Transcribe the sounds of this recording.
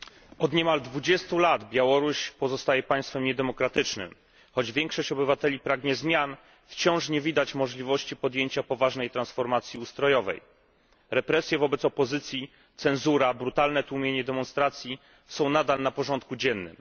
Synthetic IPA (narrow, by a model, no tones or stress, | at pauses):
ɔd̪ɲɛmald̪vud͡ʑɛst̪ulad̪bʲjawɔɾuɕpɔzɔst̪ajɛpaj̃st̪fɛmɲɛd̪ɛmɔkɾat̪ɘt͡ʂnɘ̰m | xɔd͡ʑvʲjɛŋkʂɔɕt͡ɕɔbɘvat̪ɛlʲipɾaɡɲɛzmʲjan | ft͡ɕɔ̃w̃ʂɲɛvʲid̪at͡ɕmɔʐlʲivɔɕt͡ɕipɔd̪jeɲt͡ɕapɔvaʐnɛjt̪ɾansfɔɾmat̪sʲjiust̪ɾɔjɔvɛ̰j | ɾɛpɾɛsʲjɛvɔbɛt̪sɔpɔzɘt̪sʲji | t̪sɛnzuɾabɾut̪alnɛt̪uwmʲjeɲɛd̪ɛmɔ̃nst̪ɾat̪sʲji | sɔ̃w̃nad̪alnapɔʐɔnt̪̚kud͡ʑɛnːɘ̰m